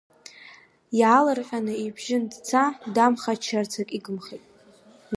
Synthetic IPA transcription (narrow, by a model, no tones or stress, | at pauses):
jalɨrqʲʷᶣʼanɨibʒɪndt͡sʰadamχat͡ʃʰart͡sʰakʼiɡɨmχejtʼ